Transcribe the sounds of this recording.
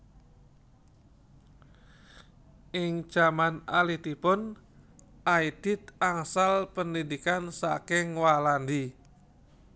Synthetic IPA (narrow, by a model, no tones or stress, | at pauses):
ɪŋd͡ʒ̥amana̰lit̪ipʊn | ʔaid̥ɪt̪̚aŋsalpəndidikansa̰kɪŋwalandi